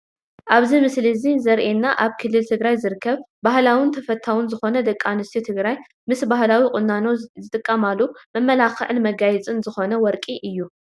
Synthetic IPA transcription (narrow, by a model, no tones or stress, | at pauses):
ʔaβzimɨslizizɐɾʔenːaʔaβkʰɨlːɨlt̪ʰɨɡɾajzɨɾɨkʰːɐβ | bahlawɪnt̪ʰɐfɐt̪ʰːawʊnzɨxo̞nɐd̪ɐkʼːanɨst̪ʰit̪ʰɨɡɾaj | mɨsbahlawikʼʊnano̞zɨt̪ʼɨkʼːɐmalːumɐmːɐlaxʕɨlmɐɡajɛt͡sʼɨnzɨxo̞nɐwɔɾkʼiʔɨjːu